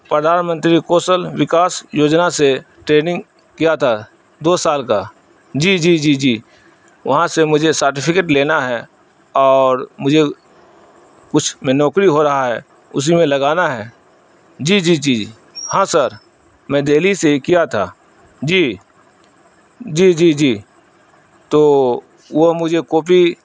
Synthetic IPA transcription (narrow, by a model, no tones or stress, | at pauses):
pɾəd̪ʱaːnmə̃nt̪ɾikoːsəlʋɪkaːsjoːd͡ʒnase | ʈɾeːnɪ̃ŋɡ | kijat̪ʰa | d̪oːsaːlka | d͡ʒiːd͡ʒiːd͡ʒiːd͡ʒiː | ʋɐ̰ɦãsemʊd͡ʒʱesəɾʈɪpʰɪkeːʈleːnaɦɛ | ɔːɾmʊd͡ʒʱe | kʊt͡ʃʰmẽnɔːkɾiɦoɾɐɦaɦɛː | ʊ̰s̬imẽlɐɡaːnaɦɛː | d͡ʒiːd͡ʒiːd͡ʒiː | hãːsəɾ | mɛ̃ːd̪eːlisekijat̪ʰaː | d͡ʒiː | d͡ʒiːd͡ʒiːd͡ʒiː | t̪oː | ʋoɦmʊd͡ʒʱekoːpi